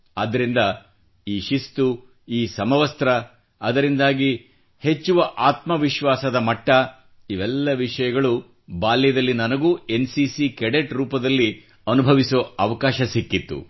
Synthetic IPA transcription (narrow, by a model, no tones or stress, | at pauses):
ɐd̪ɐɾind̪ɐ | iːʃist̪u | iːsɐmɐʋɐst̪ɾɐ | ɐd̪ɐɾind̪aːɡi | he̞t͡ʃːuʋɐʔaːt̪mɐʋiʃʋaːsɐd̪ɐmɐʈːɐ | iʋɛlːɐʋiʂɐjɐɡɐɭu | baːljɐd̪ɐlːinɐnɐɡuːe̞nsiːsikɛɽeʈɾuːpɐd̪ɐlːi | ɐnubʱɐʋisoɐʋɐkaːʃɐsikːit̪ːṵ